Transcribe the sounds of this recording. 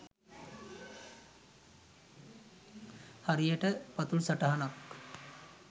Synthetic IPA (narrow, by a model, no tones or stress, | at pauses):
haɾijəʈəpat̪ulsaʈaɦanak